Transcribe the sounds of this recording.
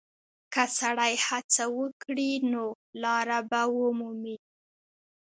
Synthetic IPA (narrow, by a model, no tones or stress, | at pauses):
kasaɽajhat͡sawəkɽino | lɑɾabawəmumi